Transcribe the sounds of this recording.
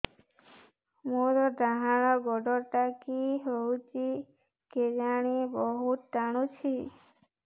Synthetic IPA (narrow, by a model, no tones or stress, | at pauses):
moɾɔd̪aɦaɽ̃ɔɡɔɖɔʈakiɦowt͡ʃi | ked͡ʒaɽ̃ibɔɦut̪taɽ̃ũt͡ʃʰi